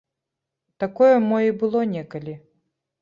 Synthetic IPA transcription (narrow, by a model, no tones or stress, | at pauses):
t̪akɔjɛmɔjibɨlˠɔnʲɛkɐlʲi